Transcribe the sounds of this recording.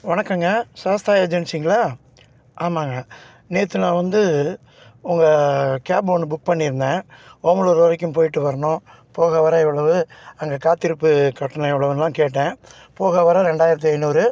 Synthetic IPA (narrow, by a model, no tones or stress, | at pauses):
ʋɐnɐkːaŋɡɐsaːst̪aːjed͡ʒɛnsiŋɡɐɭaː | ʔaːmaːŋɡɐ | neːt̪ːɯnãːʋɐnd̪ɯ | ʊŋɡɐkaːboːnɯbʊk̚ːpɐɳːɪɾɯnd̪ẽːoːmɐɭuɾɔːɾɐkʲːɯ̃mpoːjɪʈːɯʋɐɾɐɳʊ̃ | poːɣɐʋɐɾɐɪʋɐɭɐʋɯɐŋɡɐkaːt̪ːɪɾɯpːɯkɐʈːɐnɐɪʋɐɭɐʋɯnɐlãːkeːʈːẽː | poːɣɐʋɐɾɐɾɛɳɖaːjɪɾɐt̪̬ːɯɐɪnːuːɾɯ